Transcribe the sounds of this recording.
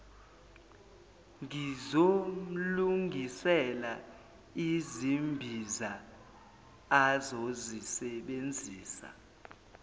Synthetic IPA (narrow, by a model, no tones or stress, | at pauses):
ŋizom̩luŋʱisɛla | izimbʱiza | azozisɛɓend͡zʱiːsa̰